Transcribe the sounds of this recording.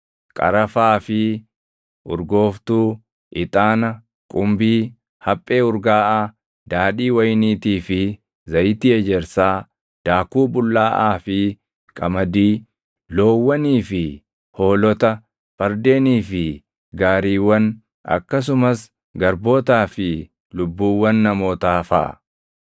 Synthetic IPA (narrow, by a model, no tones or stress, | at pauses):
kʼɐ̰ɾɐfaːfɪ | ʔʊɾɡo̞ːft̪uː | ʔɪt̪ʼaːnɐ | kʼʊmbiː | hɐpʼːe̞ːʊɾɡaːʔaː | d̪aːᶑiːwɐjniːt̪iːfɪ | zɐjɪt̪iːɛd͡ʒɛɾsaː | d̪̥aːkuːbʊlːaːʔaːfɪ | kʼɐmɐd̪iː | loːwːɐniːfɪ | ho̞ːlɔt̪ɐ | fɐɾd̪e̞ːniːfɪ | ɡaːɾiːwːɐn | ʔɐ̰kːɐs̬ʊmɐs | ɡɐɾbo̞ːt̪aːfɪ | lʊbːuːwːɐnːɐmo̞ːt̪aːfɐ̰ʔ